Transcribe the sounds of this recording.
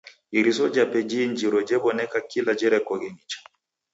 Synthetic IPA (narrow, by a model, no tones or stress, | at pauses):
iɾisɔd͡ʒapɛd͡ʒind͡ʒiɾɔd͡ʒɛβɔnɛkakilad͡ʒɛɾɛkɔɣɛnit͡ʃḁ